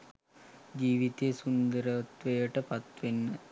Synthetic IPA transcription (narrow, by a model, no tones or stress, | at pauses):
d͡ʒiːʋit̪eːsund̪əɾɐt̪ʋejəʈəpɐt̪ʋenːə